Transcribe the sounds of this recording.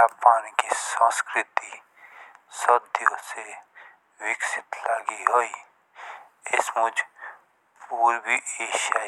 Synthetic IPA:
aːpaːnkisə̃ːskɾɪt̪i | sɐd̪jose | wɪksɪt̪laːɡiɦoːi | ɪsmʊd͡ʒ | puːɾbʱieːʃaː

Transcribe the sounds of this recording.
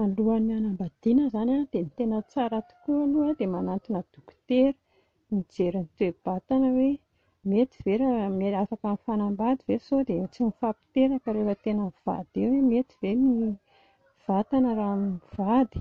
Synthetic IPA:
aluanianambad̪̥inəzanad̪enit̪enət͡saɾat̪u̥kualuad̪emanant̪inəd̪̥uku̥t̪eɾə̥ | nid͡zeɾinit̪ueb̥at̪anəwe | met̪i̥veɾameafakanifanambad̪ivesod̪et͡sinifapi̥t̪eɾakəɾefət̪enəv̥a̰d̪̥ewemet̪i̥v̥emi | v̥at̪anəɾamiv̥ad̪i̥

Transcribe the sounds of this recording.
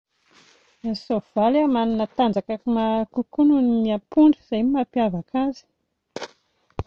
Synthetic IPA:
sov̥alamaninət̪and͡zakakumakukununiapuɳɖ͡ʐəz̥ajmapjavakʰazi̥

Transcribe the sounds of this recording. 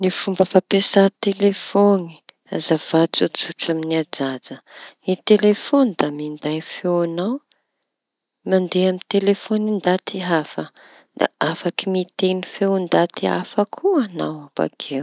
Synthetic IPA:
nifumbəfapesat̪elefoni̥ | a̰zavat͡sut͡suʈ͡ʂaminiad͡zad͡zəit̪elefonid̪amind̪ajfeanaw | mand̪eamint̪elefonind̪at̪iɦafə | d̪̥a̰afakimit̪enifewnd̪at̪ia̰fəkʰuana̰waba̰kʰew

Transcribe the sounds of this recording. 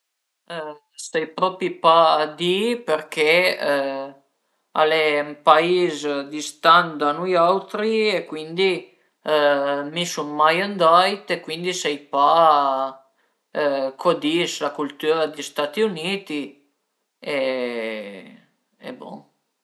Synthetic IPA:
sɛjpɾɔpipad̪ipɛɾke | a̰lɛmpaizd̪ist̪and̪anujawt̪ɾiekwind̪i | misunːajand̪ajt̪ekwind̪isɛjpa | kʰɔd̪islakult̪yɾad̪ist̪at̪iunit̪i | e | ɛ̰bɔ̰

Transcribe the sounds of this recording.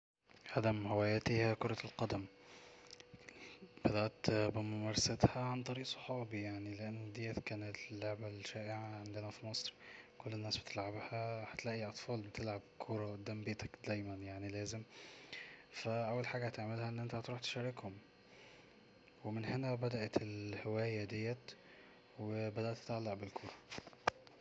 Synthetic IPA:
ʕad̪æmhewæːjæt̪ihækoɾˤɑlqɑd̪æm | b̥æd̪æʔt̪bemomæɾˤɑsæt̪hæʕant̪ˤɑɾiːʔsˤo̥ħɑːbijaʕnileʔænːd̪ejːæt̪kæːnelːoʕbælʃæːʔeʕaʕend̪enæfimɑsˤɾkolːenːæːsbe̥t̪ʰelʕabhæhæt̪læʔiʔɑt̪ˤfɑːlbet̪elʕabkʰoɾˤɑʔd̪ːæːmbeːt̪ʰæ̥kd̪æjmænjaʕnilæːzem | fæʔæwːælħaːɡæhæt̪eʕmelhæʔenːʔent̪æht̪ɾˤuːħt̪e̥ʃæɾˤekhom | wemenhenæbæd̪æʔt̪elhewæːjæd̪ejːæt̪ | webæd̪æʔt̪ːe̥t̪ʕalːaʕbelkʰoɾˤɑ

